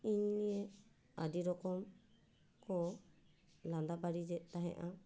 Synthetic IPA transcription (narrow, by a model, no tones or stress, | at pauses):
iɲnijɛ | adiɾɔkɔm | kɔ | land̪abaɾid͡ʒɛʔt̪aɦɛ̰ʔa